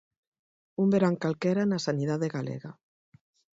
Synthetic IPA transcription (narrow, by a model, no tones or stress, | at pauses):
umbeɾaŋkalkɛɾanasanið̞aðeɣalḛɣa